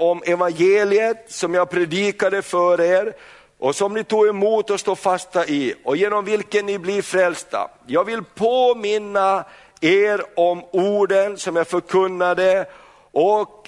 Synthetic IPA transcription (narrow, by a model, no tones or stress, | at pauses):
ɔmɛvanjeːlɪət̪sɔmjɑːɡpʰɾɛd̪iːkad̪əfœːɾeːɾ | ʔɔsɔmnɪt̪uːɡɛmuːt̪ɔst̪oːfast̪aʔɪɔjeːnɔmvɪlkənːɪblɪɾfɾɛlst̪a̰ | jɑːɡvɪlpʰoːmɪnːa | eːɾɔmuːɖənsɔmjɑːfœɾkʰɵnːad̪ə | ʔɔk